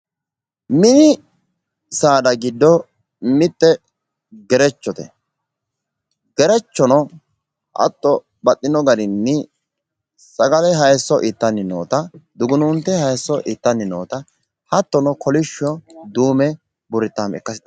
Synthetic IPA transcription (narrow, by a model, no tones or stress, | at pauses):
mɪnɪ | saːd̪ɐɡɪd̪ːɔ | mɪt̪ːɛ | ɡɛɾɛt͡ʃːɔt̪ɛ̰ | ɡɛɾɛt͡ʃːɔnɔ | ʔɐ̰t̪ːɔ | bɐt̪ʼːɪnɔɡɐɾɪnːɪ | sɐɡɐlɛɦɐjsːɔʔɪt̪ːɐnːɪno̰ːt̪ɐd̪ʊɡʊnunt̪ːɛhɐjsːɔʔɪt̪ːɐnːɪno̰ːt̪ɐ | hɐt̪ːɔnɔkʰɔlɪʃɔd̪uːmɛ | bʊɾɪt̪ːamɛ̰kːɐsɪɐ